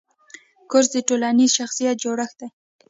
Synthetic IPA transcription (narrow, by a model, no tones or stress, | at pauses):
kʊɾsd̪əʈolanizʃaxsijat̪̚d͡ʒoɽəxd̪aj